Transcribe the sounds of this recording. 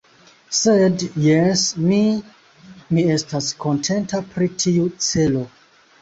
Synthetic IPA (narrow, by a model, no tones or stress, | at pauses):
sedjesmi | mie̞stasko̞ntʰe̞ntapɾitʰiut͡se̞lo̞